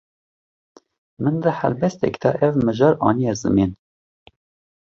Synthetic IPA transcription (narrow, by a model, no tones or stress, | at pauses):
mɨnd̪ɨhɛ̰lbɛst̪ɛ̰kt̪ʰɛ̰ʔɛvmɨʒɑːɾɑ̰ːnijɛzɨ̰meːn